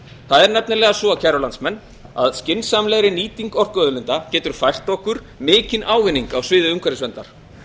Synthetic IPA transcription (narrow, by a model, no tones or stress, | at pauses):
θaðɛɾnɛp̚nɪlɛːɣasɔacʰɛɾʏlant̪smɛnː | a̰ðscɪnsamlɛɣɾɪniːt̪iŋkɔr̥kœðʏlɪnt̪acɛːt̪ʏɾ̥fajr̥t̪ɔhkʏɾ̥ | mɪːcɪnʔaːwvɪnːiŋkawsvɪːðʏʏŋkvaɾɪsvɛnt̪aɾ̥